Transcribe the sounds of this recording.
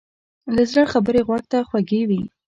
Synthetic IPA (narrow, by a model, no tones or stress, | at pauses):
lazɾəɽxabəɾeɣwɑɡ̚t̪axwaɡewi